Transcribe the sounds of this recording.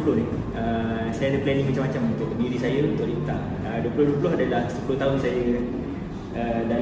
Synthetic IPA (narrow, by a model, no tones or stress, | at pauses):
plʊhnɪh | ə | sajanəplɛniŋmat͡ʃamːat͡ʃamunt̪ʊʔəmiɾisajəunt̪ʊʔlipət̪a | əduəpulʊhduəpulʊɦadalahsə̥pulʊht̪aʊnsajə | əda